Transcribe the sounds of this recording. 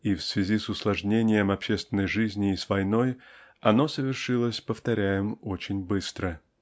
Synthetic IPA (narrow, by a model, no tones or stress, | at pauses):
ifsvʲɪzʲisʊslˠɐʐnʲenʲɪjəmɐpɕːest̪vʲɪnːəjʐɨzʲnʲɪːsvɐjno̞jɐno̞səvʲɪrʂɨlˠəsʲpəft̪ɐɾʲæjɪmot͡ɕɪnʲbɨst̪ɾə